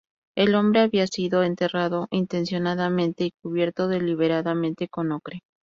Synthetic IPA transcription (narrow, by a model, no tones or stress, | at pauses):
e̞lõ̞mbɾe̞aβiasiðo̞e̞nt̪e̞raðo̞ʔint̪e̞nsjo̞naðamẽ̞nt̪e̞ikuβje̞ɾt̪o̞ðe̞liβ̞e̞ɾaðamẽ̞nt̪e̞ko̞nokɾe